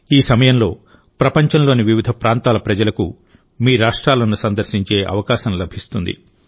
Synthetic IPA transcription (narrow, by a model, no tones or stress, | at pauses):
iːsɐmɐjɐmlo̞ː | pɾɐpɐɲt͡ʃɐmlo̞ːniʋiʋid̪ʱɐpɾaːnt̪aːlɐpɾɐd͡ʒɐlɐku | miːɾaːʂʈɾaːlɐnusɐnd̪ɐɾsiɲt͡ʃe̞ːʔɐ̰ʋɐkaːʃɐmlɐbʱist̪und̪ḭ